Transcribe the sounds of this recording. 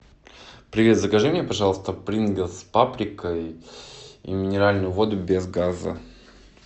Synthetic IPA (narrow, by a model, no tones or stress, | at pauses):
pɾʲɪvʲet̪zəɡɐʐɛnʲɪjəpɐʐɑlˠəst̪əpɾʲinɡʲɪlˠspapɾʲɪkəj | ḭmʲɪnʲɪɾalʲnʊjʊvo̞d̪ʊbʲezɡazə̰